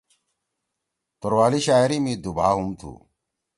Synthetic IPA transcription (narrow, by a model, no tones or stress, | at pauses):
t̪oɾwaːliɕaːiɾimid̪ubʱa̰ːɦumt̪ʰṵː